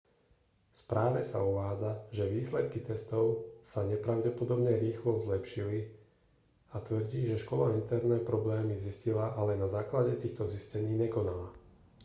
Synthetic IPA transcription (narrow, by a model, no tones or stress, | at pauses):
spɾʔaːʋɛsa̰uʋaːd͡zaʒɛʋiːslɛt̪kit̪ɛst̪ɔʊsaɲɛpɾaʊɟɛpɔd̪ɔbɲɛɾiːxlɔzlɛpʃili | at̪ʋr̩ɟiːʒɛʃkɔlaint̪ɛɾnɛːpɾɔblɛːmiziscilaʔalɛnazaːklaɟɛt̪iːxt̪ɔziscɛɲiːɲɛkɔnala